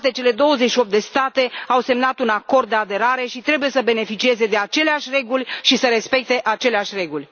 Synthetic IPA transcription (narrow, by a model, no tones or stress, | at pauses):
t̪e̞t͡ʃe̞le̞d̪o̞wəzetʃio̞p̚t̪d̪e̞st̪at̪e̞awse̞mnat̪unako̞rd̪̚ːe̞ad̪e̞ɾaɾe̞ʃit̪ɾe̞buje̞səbe̞ne̞fit͡ʃie̞ze̞d̪e̞at͡ʃe̞leaʃʲre̞ɡulʲʃisəɾe̞spe̞k̚t̪e̞ʔat͡ʃe̞leaʃʲre̞ɡulʲ